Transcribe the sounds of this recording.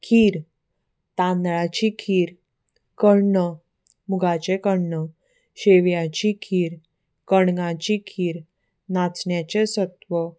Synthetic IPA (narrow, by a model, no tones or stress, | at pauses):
kʰiːɾ | t̪ãnd̪ɭat͡ɕikʰiːɾ | kəɾɳə | muɡʱat͡ɕekəɳɳə | ɕeʋjat͡ɕikʰiːɾ | kəɳɡãt͡ɕikʰiːɾ | nat͡sɳjat͡ɕesət̪ʋə